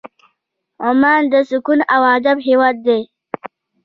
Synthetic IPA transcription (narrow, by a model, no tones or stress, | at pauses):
ʊmaːnd̪əsukunawaːd̪abɦewaːd̪̚ːe